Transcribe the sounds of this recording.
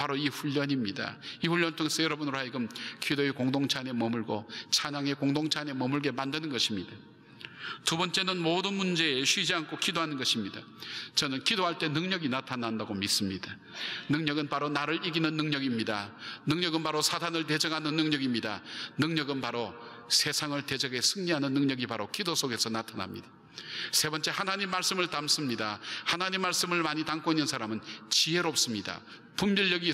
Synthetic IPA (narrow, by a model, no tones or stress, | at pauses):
paɾoiɸuʎːʌɲimɲida̰iɸuʎːʌntʰoŋes͈ʌjʌɾʌbunɾohaiɡɯmkʰidoe̞koŋdoŋt͡ɕʰane̞mʌmuɭɡot͡ɕʰaɲaŋe̞koŋdoŋt͡ɕʰane̞mʌmuɭɡe̞mandɯnɯnɡʌɕʰimɲida | tubʌnt͡ɕ͈e̞nɯnmodɯnmund͡ʑe̞ːɕʰɥid͡ʑiankʰokʰidoɦanɯnɡʌɕʰimɲida | t͡ɕʌnɯnkʰidoɦaɭt͈e̞nɯŋɲʌɡinatʰanandaɡomis͈ɯmɲida | nɯŋɲʌɡɯnpaɾonaɾɯɭiɡinɯnːɯŋɲʌɡimɲidanɯŋɲʌɡɯnpaɾosʰatʰanɯɭte̞d͡ʑʌŋɦanɯnːɯŋɲʌɡimɲida̰nɯŋɲʌɡɯnpaɾo | sʰe̞sʰaŋɯɭte̞d͡ʑʌɡe̞sʰɯŋɲiɦanɯnːɯŋɲʌɡipaɾokidosʰoɡe̞sʰʌnatʰana̰mɲḭd̥a | sʰe̞bʌnt͡ɕ͈ehanaɲimːaɭs͈ɯmɯɭtams͈ɯmɲidahanaɲimːaɭs͈ɯmɯɭmaɲitaŋk͈oinːɯnsʰaɾamɯnt͡ɕiɦe̞ɾop̚s͈ɯmɲida̰ | pumbiʎːʌɡi